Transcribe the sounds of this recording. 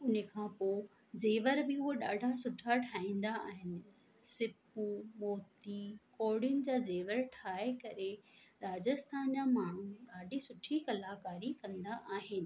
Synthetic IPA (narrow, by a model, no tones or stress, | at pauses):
ʊnəkʰãːpo | zeːʋəɾbɪʊɦoɗaːɖʱasʊʈʰaʈʰaːĩːn̆d̪aa̰ːɦɪnɪ̆ | sɪpumoːt̪ikoːɾɽiʊnɪ̆d͡ʑaːzeːʋəɾʈʰaːekɐɾeɾaːd͡ʑəst̪ʰaːnd͡ʑaːmaːɳ̤ũɗaːɖʱisʊʈʰikɐlaːkaːɾikɐ̃nd̪aʔaːɦɪnɪ̆